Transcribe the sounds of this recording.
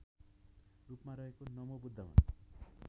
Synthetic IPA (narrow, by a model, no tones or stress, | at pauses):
rupmaɾʌɦekonʌmobud̪ʱːʌma̰n